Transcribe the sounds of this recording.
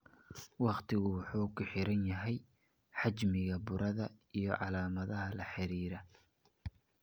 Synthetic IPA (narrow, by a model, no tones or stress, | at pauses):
wɑqt̪ʰɪɣʊwʊħuːkʰʊħɪɾɐnjɐɦɛj | ħɑt͡ʃmɪɣɐbʊɾʔɐðɐijɞʕɑlaːmɐðɐɦɐlɐħɪɾiːɾɐ